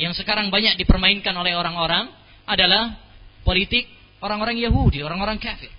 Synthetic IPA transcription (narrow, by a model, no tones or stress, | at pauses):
jaŋsəkaɾaŋbaɲak̚dipərmainkanolɛhoɾaŋoɾaŋ | ʔadalahpolit̪ɪk̚ | oɾaŋoɾaŋjaɦudioɾaŋoɾaŋkafɪr